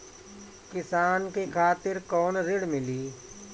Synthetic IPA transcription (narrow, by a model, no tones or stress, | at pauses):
kɪsaːnkekʰaːt̪ɪɾkɔːnɾɪɽmɪliː